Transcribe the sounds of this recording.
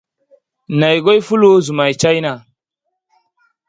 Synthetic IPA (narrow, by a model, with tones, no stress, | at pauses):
na˨jɡo˦jfu˦lu˦zu˨ma˨jt͡ʃa˦jna˨